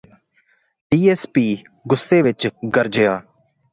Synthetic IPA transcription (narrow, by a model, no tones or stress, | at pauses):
ɖiːɛːspiː | ɡʊsːeːʋɪt͡ʃɡəɾd͡ʒejaː